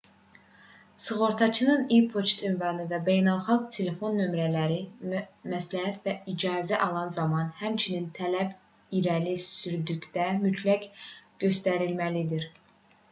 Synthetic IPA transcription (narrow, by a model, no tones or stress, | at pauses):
sɨɣo̞ɾt̪ʰɑt͡ʃʰɯnɯnipʰot͡ʃt̪ynvɑnɯvæbe̞jnælˠχɑlˠɡ̚t̪ʰele̞fo̞nːø̞mɾælæɾimæslæhæt̪væid͡ʒɑːzæʔɑlˠɑnzɑmɑnhæmt͡ʃʰinint̪ʰælæb | iɾælisyɾd̪yɟʲd̪æmyt̪ʰlækɡ̥ø̞st̪æɾilmælid̪iɾ